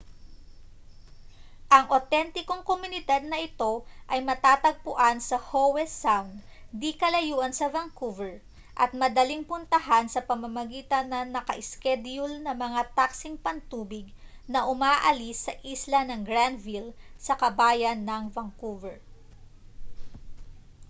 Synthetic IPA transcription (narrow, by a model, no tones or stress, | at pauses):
ʔɐŋʔot̪ɛnt̪ɪkoŋkomʊnɪd̪ad̪̚nɐʔɪt̪o̞ʔɐjmɐt̪aːt̪ɐɡ̚pʊʔansɐhowɛsawnd̪d̪ikɐlɐjuːʔɐnsɐvɐŋkuvɛɹ | ʔɐt̪̚mɐd̪ɐliŋpʊnt̪ɐɦansɐpɐmɐmɐɡiːt̪ɐnːɐnɐkɐʔɪskɛd̪jʊlnɐmɐŋat̪aksɪŋpɐnt̪uːbɪɡ̚ | nɐʔʊmaːʔɐlisːɐʔislɐnɐŋɡɹand̪vilsɐkɐbaːjɐnːɐŋvɐŋkuvɛɹ